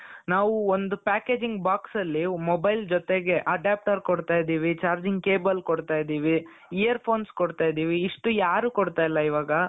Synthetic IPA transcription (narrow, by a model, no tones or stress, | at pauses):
naːʋuond̪upaːke̞ːd͡ʒiŋɡbaːksɐlːimobɐjld͡ʒɔt̪eɡe̞ʔɐɖaːp̚ʈɐɾkoɽt̪aːjd̪iːʋit͡ʃaːɾd͡ʒiŋɡ̚ke̞ːbɐlkoɽt̪aːjid̪iːʋi | ijɐɾpʰoːnskoɽt̪aːjid̪iːʋiːʂʈujaːɾuːkoɽt̪aːjilːɐiʋaːɡɐ